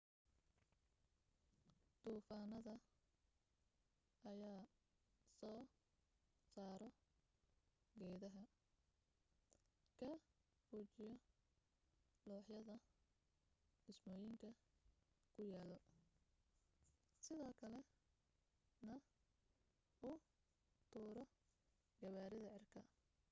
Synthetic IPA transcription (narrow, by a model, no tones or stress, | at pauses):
d̪̥uːfaːnɐðɐ | ʔɐjaː | sɔː | saːɾɔ | ɡɛːðɐɦɐ | kʰɐ | buːt͡ʃɪjɔ | lɔːħjɐðɐ | dɪsmɔːjɪŋkʰɐ | kʰʊjaːlɔ | sɪðɔːkʰɐlɛ | nɐ | ʔʊ | t̪ʰuːɾɔ | ɡɐβaːɾɪðɐʕɪrkʰɐ